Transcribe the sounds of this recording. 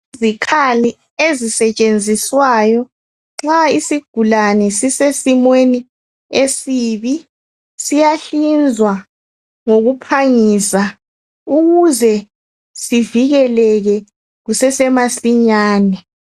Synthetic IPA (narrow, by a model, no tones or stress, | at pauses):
zikʰali | ezisɛt͡ʃʼend͡zʱiswajɔ | ŋ͡ǁaisiɡ̥ʱulanɛsisesimweni | esiːβi | sijaɬind͡zʱwa | ŋoɣupʰaŋisa | uɣuzɛ | siviɣɛlɛɣɛ | ɣusɛsɛmasiɲaːnɛ